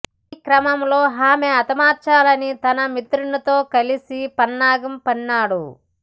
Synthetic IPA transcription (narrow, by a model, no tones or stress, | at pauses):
ikɾɐmɐmlo̞ːɦaːmeɐt̪ɐmaːɾt͡ʃaːlɐnit̪ɐnɐmit̪ɾunɐt̪o̞ːkɐlisipɐnːaːɡɐmpɐnːaːɽṵ